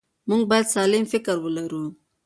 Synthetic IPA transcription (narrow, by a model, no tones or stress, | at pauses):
muŋɡ̚bɑjad̪sɑlɪmfɪkəɾwəlaɾu